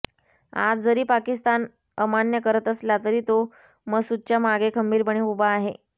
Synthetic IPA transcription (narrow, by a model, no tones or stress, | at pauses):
a̰d͡zd͡zəɾiːpakist̪an | əmanjəkəɾət̪əslat̪əɾiːt̪o | məɡsud̪̚t͡ɕjamaɡekʰəmbiːɾbəɳ̃iːubaːɦḛ